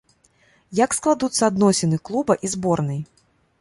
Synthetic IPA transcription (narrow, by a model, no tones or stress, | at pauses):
jɐksklˠad̪ut̪sːɐad̪nɔsʲɛnɨklˠubɐʔizbɔrnɐj